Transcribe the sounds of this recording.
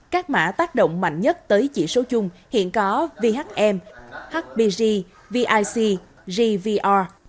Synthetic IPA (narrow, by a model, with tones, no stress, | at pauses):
kaː˦˥k̚ma̰ː˧˥t̪aː˦˥k̚ɗo̰˧˨wŋ͡mma̰˧˨jŋ̟ɲə˦˥t̚t̪əː˨˦jt͡ɕḭ˧˩so˨˦t͡ɕʊ˧ŋ͡mhḭ˧˨ənkɔ˨˦vi˧ɦa˦˥k̚ʔɛ˧mha˦˥k̚ɓi˧zi˧ | vi˧ʔaː˧jsi˧ | zi˧vi˧ʔa˧